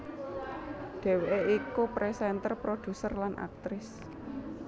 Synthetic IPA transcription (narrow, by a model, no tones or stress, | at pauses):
d̪̥e̤weʔeikupɾesɛnt̪ərpɾod̪̥ṳsərlanʔa̰k̚t̪ɾɪs